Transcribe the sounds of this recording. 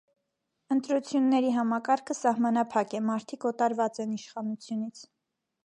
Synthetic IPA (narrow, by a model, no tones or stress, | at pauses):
ənt̪ɾut͡sʰjunːɛɾiɦɑmɑkɑɾkʰəsɑhmɑnɑpʰɑkɛmɑɾt̪ʰikɔt̪ɑɾvɑt͡sɛniʃχɑnut͡sʰjunit͡sʰ